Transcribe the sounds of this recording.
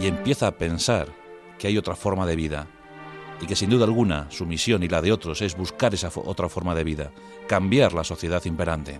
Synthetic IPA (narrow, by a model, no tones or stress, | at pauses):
ie̞mpje̞θaːpe̞nsaɾ | keajo̞t̪ɾafo̞ɾmað̞e̞β̞iða̰ | ike̞sind̪uðalɣ̞una̰sumisjo̞nilað̞e̞o̞t̪ɾo̞se̞zβuskaɾe̞safo̰t̪ɾafo̞ɾmaðe̞β̞iða̰ | kambjaɾlaso̞θje̞ð̞aθimpe̞ɾant̪e̞̰